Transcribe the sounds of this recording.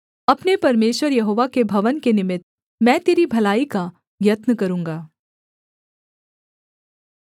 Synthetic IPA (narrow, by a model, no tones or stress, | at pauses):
ɐpnepɐɾmeːʃwəɾjɐɦoːʋakebʱɐʋənkenɪmɪt̪̚ | mɛ̃ːt̪eːɾibʱɐlaːika | ɡjɐt̪nəkɐɾũːŋɡaː